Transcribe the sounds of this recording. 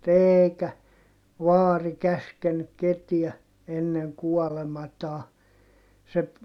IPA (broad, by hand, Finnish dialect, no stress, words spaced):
eːikæ ʋɑːri kæskenːyk ketiæ enːeŋ kuɔlemɑtɑː se